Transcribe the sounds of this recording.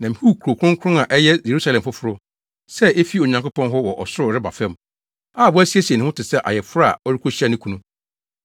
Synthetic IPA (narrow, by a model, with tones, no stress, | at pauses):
nã˨m̩˨hu˦˨kʰu˨ɾo˨kʰɾʊ̃˦ŋkʰʊ̃˦ŋa˨ʔɛ˦jɛ˦je˨ɾu˦sa˦lɛ̃˨m˨fʊ˦fʊ˦ɾʊ˦ | sɛ˦e˦fi˦o˨ɲã˨ŋkʊ˦pʰɔ̃˦nɦɔ˦wɔ˨ʔɔ̰˨sʊ˦ɾʊ˨ɾɪ˦ba̰˨fɛ̃˦m | aː˦˨bʊ˦æ˦si˦æ˦si˨e˨nɪ̃˨˦ʊ̃˦tɪ˨sɛ˦˨ʔa̰˨jɛ˨fʊ˦ɾa˦a̰˨ɔ˦ɾi˦kʰo˦ɕi˦a˦nɪ̃˦kʰũ˨nũ˦